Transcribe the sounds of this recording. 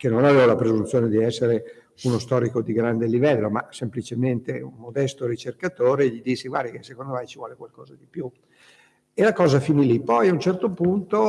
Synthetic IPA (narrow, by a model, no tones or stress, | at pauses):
kenːonaveːvalapɾezunt̪joːned̪iɛsːeɾe | unost̪ɔːɾikod̪iɡɾand̪elivɛlːoma̰semplit͡ʃement̪eumːod̪ɛst̪oɾit͡ʃerkat̪oːɾeʎid̪isːiɡwa̰rd̪ikesekond̪omɛjt͡ʃivwɔ̰ːlekwalkɔːzad̪ipju | elakɔːzafinilipɔjaunt͡ʃɛrt̪opunt̪o